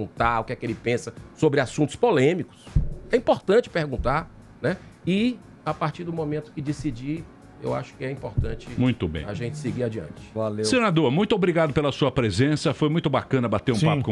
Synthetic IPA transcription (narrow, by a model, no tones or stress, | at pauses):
ũt̪aɾʊkɛkɪelɪpẽsɐsobɾɪasũt̪ʊspolẽmikʊ̥sɛĩpoɾt̪ɐ̃t͡ʃɪ̥peɾɡũnt̪aɾ | nɛ | i | apaɾt͡ʃiɾd̪ʊ̃mõmẽnt̪ʊ̥kɪd͡ʒisid͡ʒi | ḛwa̰ʃʊ̥kɪɛĩpoɾt̪ɐ̃t͡ʃɪ̃mũj̃t̪ʊbḛ̃jaʒẽnt͡ʃɪ̥sɪɡiɾad͡ʒiɐ̰̃t͡ʃɪ̥valessenad̪oɾmũj̃t̪ʊobɾiɡad̪ʊpelɐsuɐpɾezẽsɐfojmũj̃t̪ʊbakɐ̃nɐbat̪eɾũpapʊ̥kõ